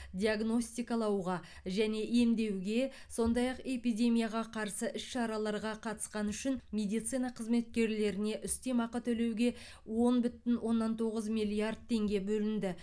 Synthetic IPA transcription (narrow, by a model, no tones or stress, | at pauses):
d̪ʲiaɡno̞sʲt̪ʲijkɑlˠɑwʁɑ | ʒæne̞ʔe̞md̪e̞wɡʲe̞ | so̞nd̪ɑjɑqe̞pijd̪ʲe̞mʲijaʁɑqʰɑɾsəʔʏʃʃɑɾɑlˠɑɾʁɑqʰɑt̪ə̥sqɑnʏʃɪnmʲe̞d̪ijt̪sɨjnɑqʰəzme̞t̪̚kʲe̞ɾle̞ɾɪne̞ʔʏst̪e̞mɑqət̪ʰɵle̞wɡʲe̞ | wo̞nbʏt̪ɪnwʔo̞nːɑnt̪ʰo̞ʁəzmijlʲˠijard̪̚t̪ʰːe̞ŋɡʲe̞bɵlɪnd̪ɪ